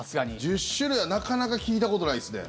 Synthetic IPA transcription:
asɨɡaɲid͡ʑɨɕːɨɾɯanakanakakʲiːt̪̬ako̞t̪o̞ɾaisɨd̪ḛ

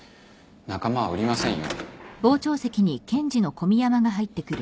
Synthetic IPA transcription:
nakamaβa̰ɯ̟ɾʲimasẽɰ̃jo̰bo̞ːt͡ɕo̞ːse̞kʲiɲ̟ikẽ̞ɲ̟d͡ʑino̞ko̞mʲijamaɡaɦait̪ːe̞kɯ̟ɾɯ̟

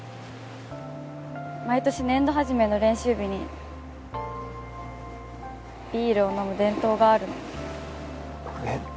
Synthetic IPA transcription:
mait̪o̞ɕinẽ̞nd̪o̞ɦaʑime̞no̞ɾẽ̞ɰ̃ɕɨːbʲiɲ̟i | b̥ʲiːɾɯ̟o̞no̞mɯ̟d̪ẽ̞nt̪o̞ːɡaːɾɯ̟no

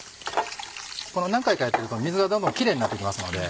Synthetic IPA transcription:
ko̞no̞nãŋkaikajat̪ːe̞ɾɯ̟t̪o̞mʲizɨɡad̪õ̞nd̪õ̞ŋkʲiɾe̞ːɲinat̪ːeikʲimasɨno̞d̪e̞

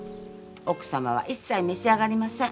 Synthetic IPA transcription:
okɯ̥samaβ̞a̰ʔisːaimeɕiaɡaɾʲimasẽ

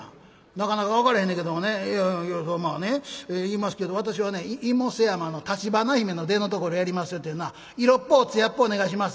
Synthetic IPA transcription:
nakanakaβakaɾehẽndeke̞d̪omonejosomaːneeiːmasɨ̥ke̞d̪o̞β̞at̪̬aɕ̬iβane̞imosejamano̞t̪at͡ɕibanaçime̞no̞d̪e̞no̞t̪̬o̞ko̞ɾo̞jaɾʲimasɨjo̞t̪ːejɯnoa | iɾo̞pːo̞t͡sɨjapːoːne̞ɡaiɕ̬imas

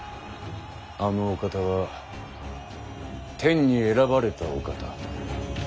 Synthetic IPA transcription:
anoːkat̪aβa | t̪ʰẽ̞ɲ̟ːie̞ɾabaɾe̞t̪ao̰kat̪a

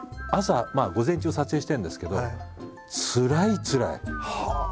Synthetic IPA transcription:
asamaːɡo̞zẽ̞ɲ̟t͡ɕiosat͡sɨeːɕi̥t̪ẽ̞nd̪e̞sɨ̥ke̞d̪o̞ | t͡sɨɾait͡sɨɾa̰ih

